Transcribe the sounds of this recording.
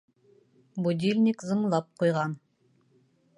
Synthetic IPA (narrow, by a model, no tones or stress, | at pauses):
bud̪ʲilʲnʲikzɤ̆ɴlˠɑp̚qujʁɑn